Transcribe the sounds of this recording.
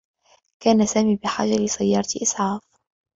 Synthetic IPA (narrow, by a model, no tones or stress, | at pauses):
kaːnasaːmiːbɪħa̰ːd͡ʒalɪsajːɑːɾˤɑt̪ʔɪsˤʕaːf